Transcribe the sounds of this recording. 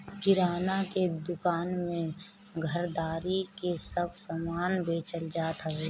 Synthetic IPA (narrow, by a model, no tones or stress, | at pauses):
kɪɾaːnaked̪ʊkaːnmẽ | ɡʱəɾd̪aːɾikesəbsəmaːnbeːt͡ʃəld͡ʒaːt̪ɦəe